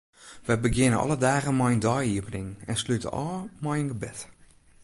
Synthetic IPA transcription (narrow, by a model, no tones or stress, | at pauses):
ʋɛbəɡɪnəɔ̰lədaːɣənmɔjndɔjiəvənɪŋɛnslytə̰ʔɔːmɔjənɡəbɪt